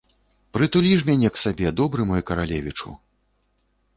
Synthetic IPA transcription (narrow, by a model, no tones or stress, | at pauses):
pɾɨt̪ulʲiʂmʲanʲɛksabʲɛd̪ɔbɾɨmɔjɛkɐɾalʲɛvʲit͡ʂṵ